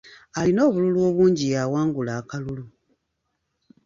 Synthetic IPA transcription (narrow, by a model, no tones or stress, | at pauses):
alino̞ːβululwo̞ːβuːɲɟijawaːŋɡulaːkalulu